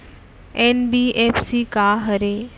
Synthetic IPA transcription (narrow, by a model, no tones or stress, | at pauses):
enbiepsikaːɦəɾe